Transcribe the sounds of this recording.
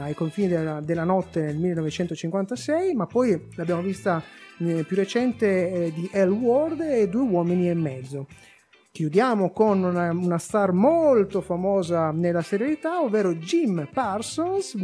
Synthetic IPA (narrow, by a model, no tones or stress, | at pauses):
ajkoɱfiːnid̪ead̪elːanɔt̪ːenelmilːenɔvet͡ʃɛnt̪ot͡ʃiŋkwant̪asɛjmapːɔjlabːjaːmovist̪apjurːet͡ʃɛnt̪ed̪iʔɛlwɔrd̪ed̪ːuːewɔːminiɛmːɛd̪zːo | kjud̪jaːmokonunaunast̪armolt̪ofamɔːzanelːaseɾjalit̪aovːeːɾod͡ʒimparsons